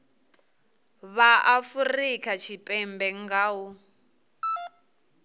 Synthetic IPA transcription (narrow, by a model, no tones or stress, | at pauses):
βaʔafurikʰat͡ʃʰipʼɛmbɛŋɡaːwu